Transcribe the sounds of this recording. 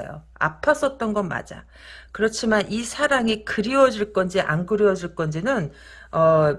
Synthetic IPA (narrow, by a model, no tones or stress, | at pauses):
jo̰ | a̰pʰas͈ʌt̚t͈ʌnɡʌnma̰d͡ʑa̰ | kɯɾʌt͡ɕʰimanisʰaɾaŋikɯɾiwʌd͡ʑiɭk͈ʌnd͡ʑiʔa̰nɡɯɾiwʌd͡ʑiɭk͈ʌnd͡ʑinɯn | ʌ